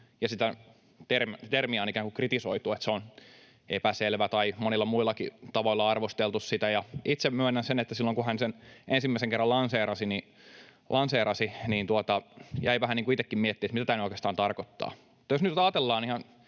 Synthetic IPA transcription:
jɑsit̪æ | t̪ermt̪ermiɑonikæːŋkukrit̪isoit̪uet̪seon | epæselʋæt̪ɑimonilːɑmuilːˑɑkḭt̪ɑʋoilːɑɑrʋost̪elt̪ussit̪æjɑit̪semmyenːænsenet̪ːæsilːoŋkuhænsenʔensimːæiseŋkerːɑlɑnseːrɑsini | lʔɑnseːɾɑsiniːnt̪uot̪ɑjæiʋæhæniːŋkuit̪ekːimmiɛet̪ːiet̪mit̪æt̪æːnyoikest̪ɑːnt̪ɑrkot̪ːɑ̰ːmut̪ːɑjosnyt̪ɑːt̪elːɑːnihɑn

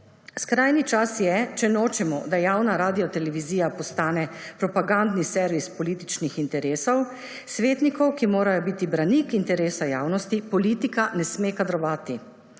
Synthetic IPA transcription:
skɾaːjnit͡ʃasjɛt͡ʃɛnoːt͡ʃɛmɔ̰d̪ajaːwnaɾaːd̪ijɔt̪ɛlɛʋiziːjapɔst̪aːnɛpɾɔpaɡand̪nisɛɾʋispɔliːt̪it͡ʃnixint̪ɛɾeːsɔw | sʋeːt̪nikɔwkimoːɾajɔbiːt̪ibɾanikint̪ɛɾeːsajaːwnɔst̪ipɔliːt̪ikanɛsmeːkad̪ɾɔʋaːt̪i

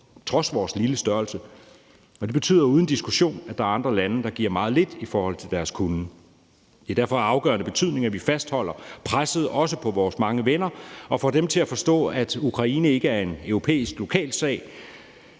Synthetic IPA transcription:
t͡sʰʁɒ̽sʋɒːsliləsd̥ɶɐlsə | ɒ̽d̥e̝b̥e̝t͡sʰy̰ð̰ˠɐuːð̞ˠn̩d̥isɡ̥uɕo̝̰ːnæd̥ɑ̈æɐ̈nd̥ʁɐlænəd̥ɑ̈ɡ̥ḭɐmɑ̈ːð̞̩ˠle̝d̥ifɒːhɒ̽l̰t͡sʰeld̥æɐskʰun | d̥e̝æɐd̥æɐ̰fɒ̽ɑ̈ʊɡ̥ɶːɐnəb̥e̝t͡sʰyð̞̰ˠne̝ŋæʋifæsd̥hɒ̽l̰ɐpʰʁasəð̞̩ˠɒ̽səpʰɒ̽ʋɒːsmɑ̈ŋəʋenɐɒ̽fɒ̽d̥emt͡sʰe̝æfɒ̽sd̥ɔ̰̽ːæd̥ukʰʁɑ̈ḭːnəe̝ɡ̥əæɐe̝nøʊʁo̝pʰḛːisɡ̥lo̝kʰɛ̰ːlsɛ̰ːɪ

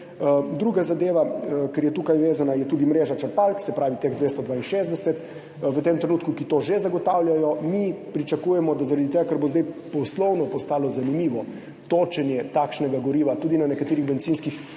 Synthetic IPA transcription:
d̪ɾuːɡazad̪eːʋakɛɾjɛt̪ukajʋeːzanajɛt̪ud̪imɾeːʒat͡ʃɐɾpalksɛpɾaːʋit̪eɣd̪ʋeːst̪ɔd̪ʋaːinʃeːzd̪ɛsɛt̪ | ʋət̪emt̪ɾɛnuːt̪kukit̪oːʒezaɡɔt̪aːwljajɔmipɾit͡ʃakuːjɛmɔd̪azaɾad̪it̪eːɡakaɾbozd̪ɛjpɔslɔwnɔpɔst̪aːlɔzanimiːʋɔ | t̪oːt͡ʃɛnjɛt̪akʃnɛɡaɡɔɾiːʋat̪uːd̪inanɛkat̪eːɾiɣbɛnt̪siːnskix

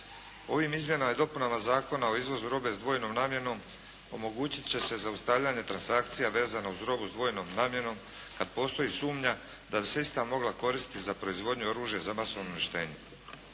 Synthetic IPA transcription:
o̞ʋimizmje̞namjd̪o̞punamazaːko̞nao̞izʋo̞zuɾo̞be̞zd̪ʋo̞ːjno̞ːmnaːmje̞no̞m | o̞̰mo̞ɡuːt͡ɕi̥t̪t͡ɕe̞se̞zaust̪aʋʎaɲe̞t̪ɾansakt̪sijaʋe̞ːzanauzɾo̞buzd̪ʋo̞jno̞ːmnaːmje̞no̞m | kad̪̚po̞ːst̪o̞jisuːmɲa | d̪abiseist̪amo̞ɡlako̞ɾisit̪izapɾo̞izʋo̞d̪ɲuo̞ɾuːʒje̞zamaso̞ʋnoniʃt̪e̞̰ːɲe

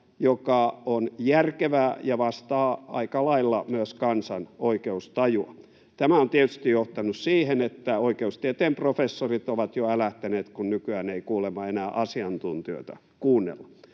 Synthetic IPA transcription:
jokɑonjærkeʋæːjɑʋɑst̪ɑːɑ̰ikɑlɑilːɑmyøskɑnsɑnoikeust̪ɑjuɑ | t̪æmæont̪iet̪y̥st̪ijoht̪ɑnussiːhenet̪ːæoikeust̪iet̪eːmprofesːorit̪oʋɑt̪joælæht̪æneːt̪kunnykyæːneikuːlemɑenæːʔɑsiɑnt̪unt̪iø̰t̪æ̰ | kuːnːḛlːɑ̥

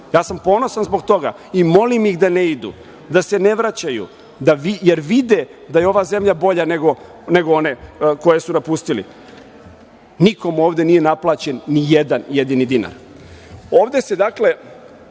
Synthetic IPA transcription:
jaːsampo̞ːno̞sanzbo̞ɡt̪o̞ɡa̰ | imo̞limjixd̪ane̞id̪ṵ | d̪ase̞ne̞ʋɾat͡ɕajṵ | d̪aʋijeɾʋid̪e | d̪ajeo̞ʋaːze̞mʎabo̞ʎaneɡo̞ | ne̞ɡoo̞ne̞ko̞je̞sunapust̪ilḭ | niko̞muo̞ːʋd̪e̞nije̞naplˠaːt͡ɕe̞nːijed̪anjed̪inid̪ina̰ɾ | o̞ːʋd̪e̞sed̪akle̞

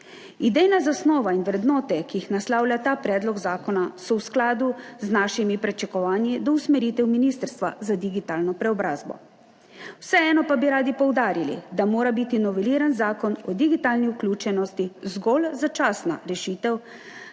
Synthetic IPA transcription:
id̪ɛjnazasnɔːʋainwɾɛd̪nɔːt̪ɛkiixnaslaːwlʲjat̪aːpɾɛːd̪lɔɡzaːkɔnasɔwsklaːd̪uznaʃimipɾɛt͡ʃɛkɔʋaːnjid̪ɔusmɛɾiːt̪ɛwminist̪əɾst̪ʋa̰zad̪iɡit̪aːlnɔpɾɛɔbɾaːzbɔ̰ | wsɛɛːnɔpabiɾaːd̪ipɔwd̪aːɾilḭd̪amoːɾabit̪inɔʋɛliːɾanzaːkɔnɔd̪iɡit̪aːlniuklʲuːt͡ʃɛnɔst̪izɡɔlzat͡ʃaːsna̰ɾɛʃiːt̪ɛw

